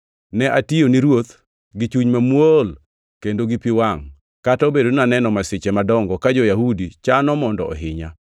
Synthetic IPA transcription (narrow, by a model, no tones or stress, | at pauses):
nɛʔationiɾwot̪ | ɡit͡ʃuɲmamwol | kendoɡipiwaŋ | kataobedonanɛnɔmasɪt͡ʃemadɔŋɡɔkad͡ʒɔjahudit͡ʃanɔmɔndɔɔ̰ɦɪɲa